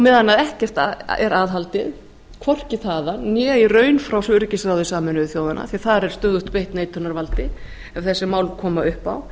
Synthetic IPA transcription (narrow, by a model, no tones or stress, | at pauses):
ɔmɛðanːaðɛhcɛr̥t̪a̰ɛ̰ɾaːðɦalt̪ɪð | kʰvɔr̥cɪθaːðanjɛːirœːɥnfɾawsʏɾcɪsɾawðɪsaːmʏnʏɪθjoːwðana̰θiaθaɾɛɾ̥st̪œːɣðʏht̪pejht̪neːjt̪ʰʏnaɾvalt̪ɪ | ɛv̥θɛsːɪmaːwlkʰɔːmaʏhpa̰w